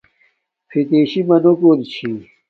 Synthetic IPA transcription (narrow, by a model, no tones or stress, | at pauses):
fʰit̪eːɕimɐnokoɾt͡ɕʰi